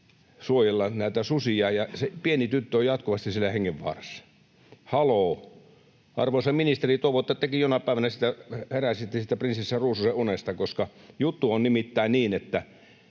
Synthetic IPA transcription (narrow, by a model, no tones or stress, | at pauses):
suojelːɑnæˑit̪æsusiɑːjɑsepienit̪yt̪ːøojɑt̪kuʋɑst̪issilːæheŋːeʋʋɑ̰ːresːɑ̥ | hɑloː | ʔɑ̰rʋosɑminist̪erit̪uoʋot̪ːɑt̪ekijonɑpæˑeʋænæsit̪æheræsit̪ːesit̪ːˑæprinsisːæruːsuseʔʔunest̪ɑkoskɑjut̪ːuonnimit̪ːæˑːniːnet̪ːæ